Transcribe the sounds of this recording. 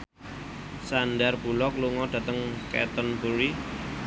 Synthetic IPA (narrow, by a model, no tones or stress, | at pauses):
sandarb̥ulɔkluŋɔɖ̥ä̤t̪əŋkɛ̰t̪ənpuɾi